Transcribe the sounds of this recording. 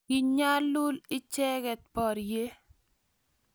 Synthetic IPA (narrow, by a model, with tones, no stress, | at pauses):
ɪ˨ɲɲa˦lʊ˦lɪ˦t͡ʃɛ˦kɛ˨t̪̚pɔ˨ɾje˦